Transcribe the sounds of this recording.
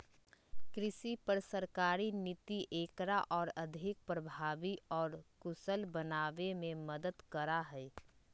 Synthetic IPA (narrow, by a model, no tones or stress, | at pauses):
kɾɪʃipəɾsəɾkaːɾinɪt̪iʔeːkɾaʔɔːɾɐd̪ʱɪk̚pɾəbʱaːʋiɔːɾkʊsəlbənaːʋemẽməd̪əd̪kəɾaɦɛː